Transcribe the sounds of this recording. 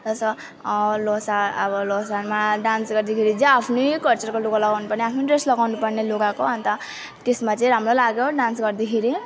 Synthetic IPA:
t̪ʌsʌ | losaʌbʌlosanmaɖansɡʌrd̪ikʰeɾid͡zaapʰnojkʌlt͡sʌrkoloɡalʌɡawnupʌrneapʰnoɖreslʌɡawnupʌrneloɡakoɦʌnt̪ʌ | t̪esmat͡saĩɾamrolaɡjoɖansɡʌrd̪ikʰeɾi

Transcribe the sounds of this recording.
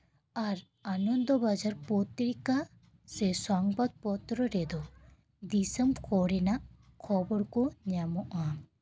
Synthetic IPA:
aɾ | anɔnd̪ɔbad͡ʒaɾpɔt̪ɾika | sɛsɔŋbad̪̚pɔt̪ɾɔɾɛd̪ɔ | d̪isəmkʰɔɾɛnaʔ | kʰɔbɔɾkɔɲamɔʔa

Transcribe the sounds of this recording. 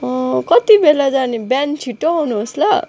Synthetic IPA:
kʌt̪ibelad͡zanibjant͡sʰiʈːoɦawnuɦoslʌ

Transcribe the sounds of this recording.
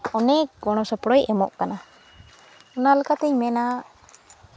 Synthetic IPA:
ɔnɛkɡɔɽ̃ɔsɔpɽɔjʔɛmɔʔkana | ɔnalakat̪ɛɲmɛnaʔ

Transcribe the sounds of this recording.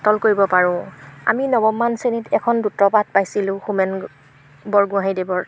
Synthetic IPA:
tɔlkoɹibɔpaɹʊ̃a̰minɔbɔmːansenitɛkʰɔndutɹɔpat̚pajsilʊ̃xumɛn | bɔɹɡʊ̃aɦidebɔɹ

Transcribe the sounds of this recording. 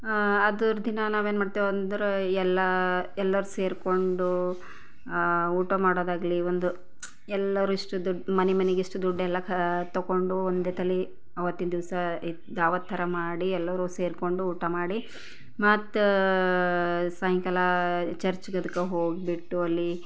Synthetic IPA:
ɐd̪uɾd̪inɐnaːʋeːnmaːɽt̪iʋnd̪ɐɾuɛlːɐɛlːɐɾuse̞ːɾko̞ɳɖu | uːʈɐmaːɽoːd̪aːɡliond̪u | ɛlːɐɾuiʂʈud̪uɖmɐnɛmɐneɡiʂʈud̪uɖɛlːɐkt̪ɐɡo̞ɳɖuond̪et̪ʰɐli | ɐʋɐt̪ːinɐd̪iʋsɐ | d̪aːʋɐt̪ʰːɐɾɐmaːɽiɛlːɐɾuse̞ːɾko̞ɳɖuuːʈɐmaːɽi | mɐt̪ | saːjiŋkɐlɐt͡ʃɐɾt͡ʃɡɐd̪ɐkːɐɦoːɡibiʈːuɐlːi

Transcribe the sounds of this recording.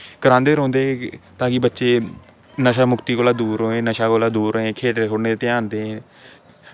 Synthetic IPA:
kəɾãːnd̪eːɾõːnd̪eːt̪ãːkibətːʃeː | nəʃaːmʊkt̪iːkoːlaːd̪uːɾoːẽːnəʃaːkoːlaːd̪uːɾẽːkʰeːʈːekʰʊɽneːet̪ɪjaːnd̪ẽː

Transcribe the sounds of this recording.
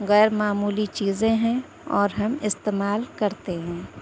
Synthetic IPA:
ɣɛːɾmaːmuːlit͡ʃiːzẽɦɛ̃ | ɔːɾɦɐmɪst̪eːmaːlkɐɾt̪eɦɛ̃ː

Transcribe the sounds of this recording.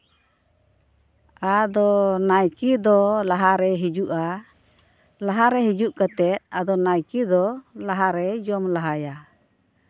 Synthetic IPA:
ad̪ɔnajkid̪ɔlaɦaɾɛɦid͡ʒuʔa | laɦaɾɛɦid͡ʒuʔkat̪ɛt̪̚ad̪ɔnajkid̪ɔlaɦaɾɛd͡ʒɔmlaɦaja

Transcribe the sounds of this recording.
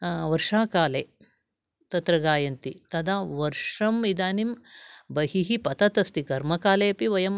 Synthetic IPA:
ʋɐɾʂaːkaːleː | t̪ɐt̪ɾɐɡaːjɐnt̪it̪ɐd̪aːʋɐɾʂɐmid̪aːnimbɐɦiɦipɐt̪ɐt̪ɐst̪ikɐɾmɐkaːleɐpiʋɐjɐm

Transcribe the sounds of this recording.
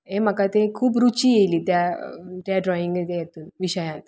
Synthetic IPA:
ɦẽm̤əkat̪ẽkʰuːb̬ɾut͡ɕijeliːt̪jaʈjaɖɾɔiŋɡt̪jet̪uːnʋiɕəjãt̪

